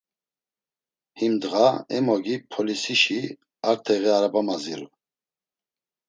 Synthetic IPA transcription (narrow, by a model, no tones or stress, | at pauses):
himd̪ɣaɛmɔɡipʰɔlisiʃi | aɾt̪ʰɛɣɛaɾabamazil